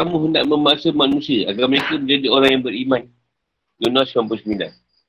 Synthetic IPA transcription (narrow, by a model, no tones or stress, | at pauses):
kamũɦəndaʔmə̃masəmanũsiəʔaɡaməɾekaməɲd͡ʒadioɾaŋjaŋbəɾiman | d͡ʒunasampəsmĩnda̰